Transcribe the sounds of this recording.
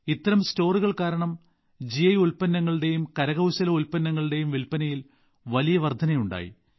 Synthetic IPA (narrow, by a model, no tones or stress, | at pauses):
it̪ːɐɾɐmsto̞ːruɣɐɭkaːɾɐɳɐm | d͡ʑiɐjulpɐnːɐŋːɐɭɽe̞jumkɐɾɐɣɐwɕɐlɐulpɐnːɐŋːɐɭɨɽe̞jumʋilpɐnɐjil | ʋɐlijɐʋɐrd̪ʱɐnɐjuɳɖa̰ːjḭ